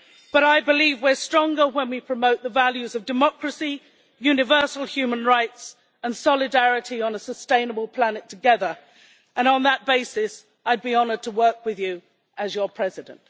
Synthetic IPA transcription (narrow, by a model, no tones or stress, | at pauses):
b̥ʌɾaɪbɨlivwə˞stɹ̥ɔ̃ŋɡə˞wə̃nwipʰɹ̥əmoʊt̪̚ðəvælˠjʉzʌvdɨmɑkɹɨsi | jʉnɨvɜ˞sl̩ˠhjʉmə̃nɹaɪts | ə̃nsɑlˠɨdæɹɨɾiə̃nəsəstẽɪ̃nəbəl̩ˠpʰl̥ænɨtʰɨɡɛðə˞ | ʔə̃nə̃nðət̚b̥eɪsɪs | aɪd̚biɑnə˞d̚tʰəwɜ˞kwɨðjɨ | ʔəzjə˞pʰɹ̥ɛzɨdə̰̃nt